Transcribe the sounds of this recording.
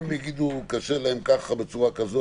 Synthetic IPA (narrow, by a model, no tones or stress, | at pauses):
mjaɡid̪ukaʃelaemkaχabet͡suʁakazo